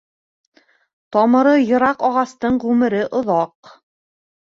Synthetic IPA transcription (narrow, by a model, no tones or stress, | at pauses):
t̪ɒmɤ̆ɾɤjɤ̆ɾɑqɒʁɑst̪ɤɴʁʉmɘ̆ɾɘʔŏðɑq